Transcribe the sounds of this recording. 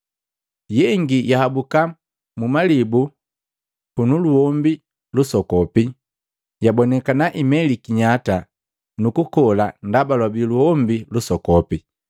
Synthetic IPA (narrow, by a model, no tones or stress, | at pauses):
jɛŋɡijahabuka | mumalibu | punuluhɔmbi | lusɔkɔpi | jabɔnɛkanaʔimɛlikiɲata | nukukɔlandabalwabiluhɔmbilusɔkɔpi